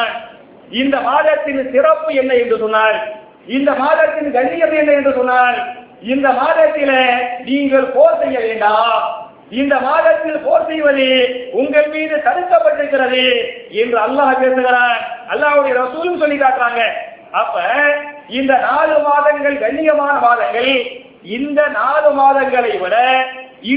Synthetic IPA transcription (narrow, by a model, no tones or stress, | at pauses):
n | ɪnd̪ɐmaːðɐt̪ːɪnsɪrɐpːɯɛnːɐɛndrɯsɔnːaːɾ | ɪnd̪ɐmaːðɐt̪ːɪnɡɐɳːɪjɐðɯɛnːɐɛndrɯsɔnːaːɾ | ɪnd̪ɐmaːðɐt̪ːɪleniːŋɡɐɭpoːɾsɛjːɐʋeːɳɖaː | ɪnd̪ɐmaːðɐt̪ːɪlpoːɾsɛjʋɐðɯʊŋɡɐɭmiːðɯt̪ɐɽɯkːɐpːɐʈːɪɾɯkːɪɾɐðɯɛndrɯɐlːaːpeːɾd̪ɯɣɪɾaːnɐlːaːɦɯɽɐjɐɾɐsuːlɯkːɯsɔlːɪkːaːʈkɪɾaːŋɡɐ | ɐpːɐ | ɪnd̪ɐnaːlɯmaːðɐŋɡɐɭɡɐɳːɪjɐmaːnɐmaːðɐŋɡɐɭ | ɪnd̪ɐnaːlɯmaːðɐŋɡɐɭɐɪʋɯɽɐ | ɪ